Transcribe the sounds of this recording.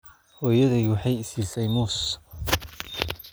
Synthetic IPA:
hɔːjɐðiwɑħɑjɪsiːsɛjmuːs

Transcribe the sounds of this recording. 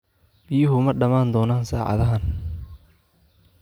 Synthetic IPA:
b̥ɪjʊɦʊmɐɖɐmaːnd̪ɔːnaːnsaːʕɑ̰ðɐɦɐn

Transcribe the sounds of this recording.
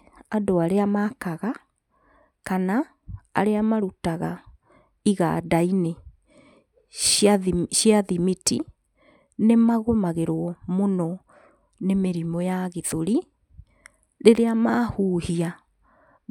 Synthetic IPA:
adoaɾeamakaɣa | kana | a̰ɾeamaɾutaɣa | iɣa̰daine | ʃiaðimiti | nemaɣomaɣeɾwɔmonɔ | nemeɾimɔjaɣeðoɾi | ɾeɾeamaːhuːhia

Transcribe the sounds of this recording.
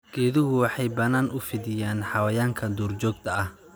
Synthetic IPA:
ɡ̥ɛːðʊɦʊwɑħɑjbɐnaːnʔʊfɪðɪjaːnħɑwɐjaːŋkʰɐd̪uːrt͡ʃɔːɡ̚t̪ʰɐɐh

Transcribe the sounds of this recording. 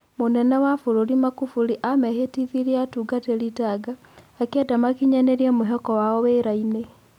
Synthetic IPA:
monɛnawafuɾuɾimakufuɾiʔamɛhetiðiɾiatuːɡateɾitaɡaː | kɛdamakiɲɛneɾiɛmoɦɛkɔwaɔweɾaine

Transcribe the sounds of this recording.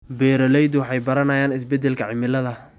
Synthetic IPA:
bɛːɾɔlɛjd̪wɑħɑjbɐɾɐnɐjaːnɪsbɛd̪ːɛlkʰɐʕɪmɪlɐðɐ

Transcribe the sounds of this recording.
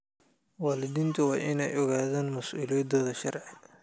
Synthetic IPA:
wɑːlɪðiːnt̪ʰʊwɑːʔɪnɛjʔɔɣaːðaːnmɐsʔṵːlɪjɐd̪ɔːðɐʃɐrʕɪ

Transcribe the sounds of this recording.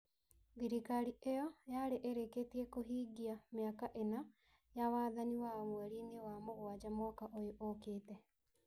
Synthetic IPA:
ɡiɾikaɾiʔejɔjaɾeʔeɾeketiɛkoɦiːɡiameakaʔena | jawaːðaniwamwɛɾinewamoɣwad͡ʑamɔkaʔojoʔokeːtɛ

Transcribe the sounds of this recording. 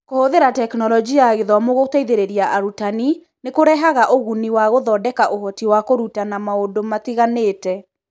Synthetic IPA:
kohoðeɾatɛknɔlɔd͡ʒiaɣeðwamoɣotaiðeɾeɾiaʔaɾutani | nekoɾɛɦaɣaʔoɣuniwaɣoðɔːdɛkaʔoɦɔtiwakoɾutanamaodomatiɣaneːtɛ

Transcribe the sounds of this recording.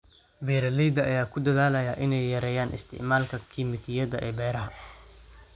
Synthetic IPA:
bɛːɾɐlɛjd̪ɐʔɐjaːkʰʊd̪ɐðaːlɐjaːʔɪnɛjːɐɾɛːjaːnʔɪ̰st̪ʰɪ̰ʕmaːlkʰɐkʰiːmɪkʰɪjɐðɐʔɛːbɛːɾɐɦɐ

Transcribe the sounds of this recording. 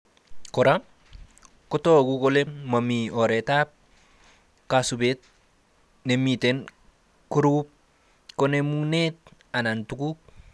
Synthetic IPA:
koɾa | kotokukolemamiɔɾetap̚ | kasubet̚ | nemiten | kuɾup̚ | konemuŋnet̚ | anantuku

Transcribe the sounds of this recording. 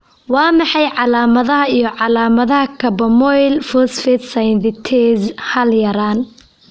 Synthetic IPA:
wɑːmɑħɑjʕɑlaːmɐðɐɦɐijɞʕɑlaːmɐðɐɦɐkʰɐbɐmɔjlfɔsfɛt̪sɐjnd̪ɪt̪ʰɛzhɐljɐɾaːn

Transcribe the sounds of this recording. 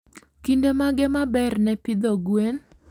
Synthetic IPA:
kindemaɡɛmabɛrnɛpid̪oɡwen

